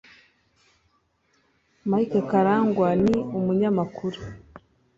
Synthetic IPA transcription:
majkakaɾaːŋɡwaniumuɲamakʰuɾu

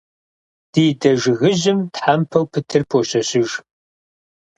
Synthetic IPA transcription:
d̥iːdɐʒɪɣɨʑɪmtħampʰɐwpʰɨtʰɨrpʰoɕɐɕɪʒ

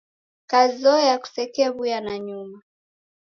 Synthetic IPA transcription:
kazɔjaku̥sɛkɛβujanaɲuma

